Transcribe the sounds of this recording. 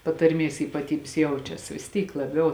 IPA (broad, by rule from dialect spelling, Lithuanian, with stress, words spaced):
pɐtɐrʲˈmʲeːs iːpɐˈtʲiːbʲeːs ˈjɛʊt͡ʃʲɛs ʋʲɪs ˈtʲiːk lˠɐˈbʲɛʊ